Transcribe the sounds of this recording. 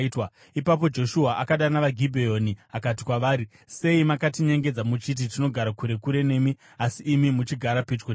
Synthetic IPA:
twa | ipap̬o̞d͡ʒo̞ʃuɦaʔakaɗanaʋaɡʱibʱejo̞niakati̥kwaʋaːɾi | se̞imakatiɲeŋɡe̞d͡zamut͡ʃit̬itino̞ɡʱaɾakuɾe̞kuɾe̞ne̞ːmi | asiʔːmimut͡ʃiɡʱaɾapet͡ʃkon

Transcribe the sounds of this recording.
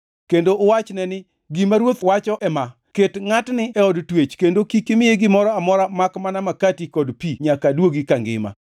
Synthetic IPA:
kendoːwat͡ʃnɛnɪ | ɡimaɾwot̪wat͡ʃɔʔɛma | ketŋatnɪɛɔdtwet͡ʃkendokikɪmɪjeɡɪmɔɾɔamɔɾamakmanamakatikɔdpiɲakadwoɡikaŋɡɪ̰ma̰

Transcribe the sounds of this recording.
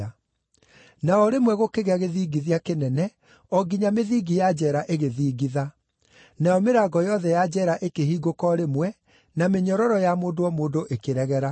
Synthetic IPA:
a | naɔɾemwɛɣokeɣeaɣeðiːɡiðiakenɛnɛ | ɔɡiɲameðiːɡijad͡ʑɛɾaʔeɣeðiːɡiða | najɔmeɾaːɡɔjɔðɛjad͡ʑɛɾaʔekehiːɡokɔɾemwɛ | nameɲɔɾɔɾɔjamoːndoɔmoːdoʔekeɾɛɣɛɾa

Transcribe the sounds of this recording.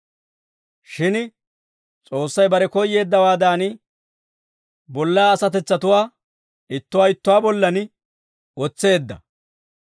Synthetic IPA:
ʃɪn | t͡sʼo̞ːsːɐjbɐɾɛkɔjːe̞ːd̪ːɐwaːd̪aːnɪ | bɔlːaːɐsɐt̪ɛt͡sːɐt̪ʊwaː | ɪt̪ːʊwaːɪt̪ːʊwaːbɔlːɐnɪ | ɔt͡sːe̞ːd̪ːɐ̰

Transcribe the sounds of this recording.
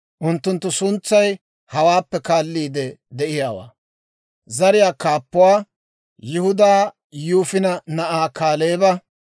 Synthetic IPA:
ʔʊnt̪ːʊnt̪̬ːʊsʊnt͡sːɐj | hɐwaːpːɛkaːlːiːd̪ɛd̪ɛʔɪjaːwa̰ː | zɐɾɪjaːkaːpːʊwaː | jɪhʊd̪aː | juːfɪnɐnɐʔaːkaːleːbɐ

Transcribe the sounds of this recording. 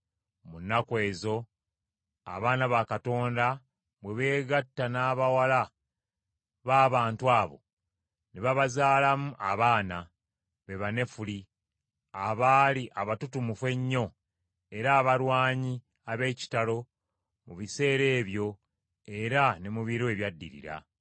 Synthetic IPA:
munːakwe̞ːzo̞ | a̰βaːnaβakato̞ːnda | βweβe̞ːɡatːanaːβawala | βaːβaːntuaːβo̞̰ | neβaβazaːlamuʔa̰βaːna | βe̞βane̞fuli | aβaːliʔaβatutumufwe̞ɲːo̞ | e̞ɾaːβaɾwaːɲi | aβe̞ːci̥talo̞ | muβise̞ːɾe̞ːβjo̞ | e̞ɾane̞muβiɾoeβjadːḭɾḭɾa̰

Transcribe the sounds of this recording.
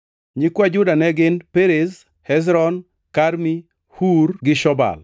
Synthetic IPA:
ɲikwad͡ʒʊdanɛɡɪnpeɾez | hɛz̬ɾɔn | kaɾmi | huɾɡɪʃɔba̰l

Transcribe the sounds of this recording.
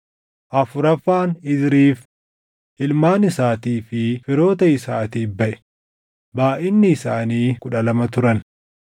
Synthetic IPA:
ʔɐfʊɾɐfːaːnɪd̪ɾiːf | ʔɪlmaːnɪsaːt̪iːfɪfɪɾo̞ːt̪ɐɪsaːt̪iːbɐʔɛ̥ | baːʔɪnːɪːsaːniːkʊᶑɐlɐmɐt̪ʊɾɐn

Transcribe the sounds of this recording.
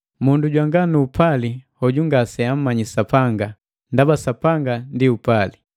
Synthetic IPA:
munduɟwaŋɡanuːpʰalihɔɟuŋɡasɛam̩mːaɲisapaŋɡa | ndabasapaŋɡandiupali

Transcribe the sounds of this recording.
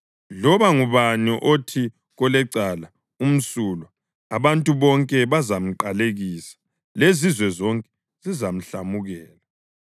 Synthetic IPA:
lɔβaŋuβaniʔotʰi | ɣɔlɛǀala | um̩sulɔ | aβantʼuβɔŋkʼɛβazam̩ǃaleɣiːsḁ | lezizwɛzɔŋkʼɛ̥ | zizam̩ɬamuɣɛːla

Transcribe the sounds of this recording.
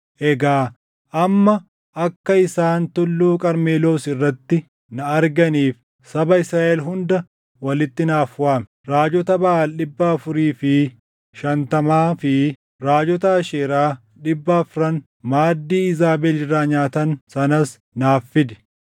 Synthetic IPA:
ʔɛɡaː | ʔɐmːɐ | ʔɐkːɐɪsaːnt̪ʊlːuːkʼɐɾmeːlo̞ːsɪrːɐt̪ːɪ | nɐɐɾɡɐniːf | sɐbɐɪsɾaːʔɛlɦʊnd̪ɐ | wɐlɪt̪ːɪnaːfwaːmɛɾaːd͡ʒɔt̪ɐbɐʔaːlɗɪbːɐːfʊɾiːfɪ | ʃɐnt̪ɐmaːfɪ | ɾaːd͡ʒɔt̪ɐːʃeːɾaː | ᶑɪbːɐfʊɾɐn | maːd̪ːiːɪzaːbɛlɪrːaːɲaːt̪ɐnsɐnɐs | naːfːɪd̪ɛ̥

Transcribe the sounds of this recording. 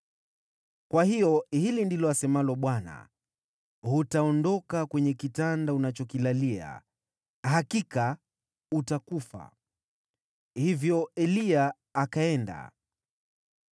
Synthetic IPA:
kwahiɔhilindilɔasɛmalɔɓwana̰ | hutaɔndɔkakwɛɲɛkitandaunat͡ʃɔkilalia̰ | hakika | utakufa̰ | hivjɔɛliaː | kaɛnda̰

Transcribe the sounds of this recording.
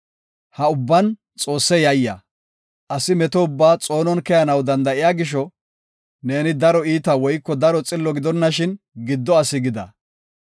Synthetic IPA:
hɐʊbːɐn | t͡sʼo̞ːsːɛjɐjːɐ̰ | ʔɐsɪmɛt̪ɔʊbːaːt͡sʼo̞ːnɔnkɛjɐnɐwd̪ɐnd̪ɐʔɪjaːɡɪʃ̬ɔ | ne̞ːnɪd̪ɐɾɔiːt̪ɐwɔjkːɔd̪ɐɾɔt͡sʼɪlːɔɡɪd̪ɔnːɐʃɪn | ɡɪd̪ːɔɐsɪɡɪd̪ɐ̰

